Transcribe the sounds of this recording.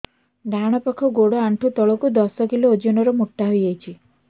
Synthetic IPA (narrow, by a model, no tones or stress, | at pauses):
dʱaɽ̃ɔpakʰɔɡoɽɔaɳʈʰut̪ɔɭɔkud̪ɔsɔkiloːd͡ʒɔnɔɾɔmoʈːaɦojajt͡ʃʰi